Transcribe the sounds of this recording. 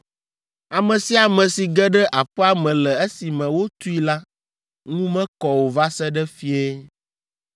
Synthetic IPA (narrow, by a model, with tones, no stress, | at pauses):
a˨mɛ̃˨si˦a˨mɛ̃˨si˨ɡɛ˦ɖɛ˦ʔa˨ɸɛ˦a˦mɛ̃˨lɛ˨e˦si˨mɛ̃˨wo˦t̪u˦i˦la˦ | ŋũ˦mɛ̃˦kɔ˨wo˨va˦sɛ˦ɖɛ˦fi˦e˦